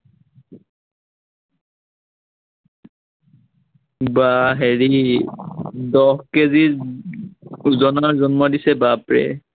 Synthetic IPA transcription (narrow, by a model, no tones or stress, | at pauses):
baɦeɹi | dɔhkezi | zɔnaɹzɔnmɔdisɛbapɹɛ̰